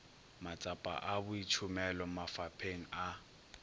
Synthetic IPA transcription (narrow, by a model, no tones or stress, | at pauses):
mat͡sʼapʼa̰ʔabʊit͡ʃʰʊmɛlɔmafapʰeŋ̩a